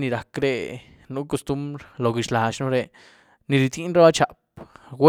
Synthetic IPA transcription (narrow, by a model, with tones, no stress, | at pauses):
ni˧ɾa˨kɾe˧ | nu˦ko˧st̪u˦mbɾlo˨ɡi˨t͡ʃla˨t͡ʃnu˦ɾe˧ | ni˨ɾi˨t̪i˦nɾe˦ba˦t͡ʃa˨p̚we˦